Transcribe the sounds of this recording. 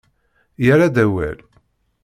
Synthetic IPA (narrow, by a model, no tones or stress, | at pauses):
jəɾad̪æwæ̰l